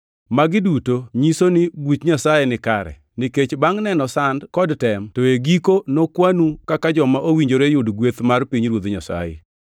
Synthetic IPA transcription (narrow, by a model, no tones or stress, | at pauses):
maɡɪdutoɲisonɪbutɲasajenɪkaɾɛ̰ | niket͡ʃbaŋnɛnɔsandkɔdtɛmtoeɡikonokwanukakad͡ʒɔmaʔowiɲd͡ʒoɾejʊdɡwet̪marpiɲɾwod̪ɲasa̰jḛ